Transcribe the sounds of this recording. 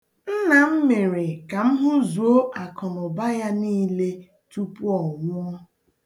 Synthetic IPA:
n̩˦na˨m̩˦me˨ɾe˨ka˨m̩˦ɦʊ˦zu˨o˦ʔa˨kɔ˨nɔ˨ba˦ja˦niː˦le˦ | tu˦pu˦ɔ˨ŋʷʊ˦ɔ˦

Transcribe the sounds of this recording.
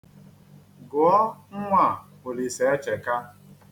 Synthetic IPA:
ɡʊ˨ɔ˦ŋ̩˦ŋʷa˦˨ | ʊ˨li˨se˨e˦t͡ʃe˨ka˦

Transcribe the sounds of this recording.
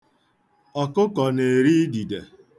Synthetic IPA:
ɔ˨kʊ˦kɔ˨ne˨ɾi˦di˨de˨

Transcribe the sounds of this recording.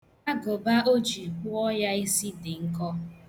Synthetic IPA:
a˦ɡo˨ba˦ʔo˦d͡ʒi˨kʊ˦ɔ˦ja˦i˦si˦dɪ˨ŋ̩˦kɔ˦

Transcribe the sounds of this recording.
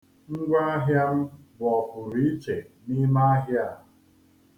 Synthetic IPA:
ŋ̩˦ɡʷa˦a˦ɦja˦m̩˦bʊ˨ɔ˨fʊ˨ɾi˦i˦t͡ʃe˨ni˦ma˦a˦ɦja˦˨

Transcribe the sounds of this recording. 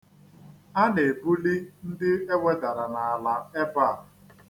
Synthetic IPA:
a˦ne˨bu˦li˦n̩˦dɪ˦e˦we˦da˨ɾa˨na˨a˨la˨e˦ba˦˨˦

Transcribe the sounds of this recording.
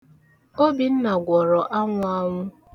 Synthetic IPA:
o˦bi˨n̩˦na˨ɡʷɔ˨ɾɔ˨ʔa˦ŋʷa˦ŋʷʊ˦

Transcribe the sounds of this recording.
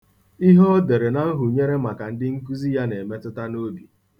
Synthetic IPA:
i˦ɦɔ˦de˨ɾe˨na˦ɦʊ˨ɲe˦ɾe˦ma˨ka˨n̩˦dɪ˦ŋ̩˦ku˦zi˦ja˦ne˨me˦tʊ˦ta˦no˦bi˨

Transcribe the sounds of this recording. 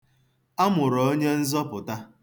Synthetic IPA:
a˦mʊ˨ɾɔ˨o˦ɲe˦n̩˦zɔ˦pʊ˨ta˦

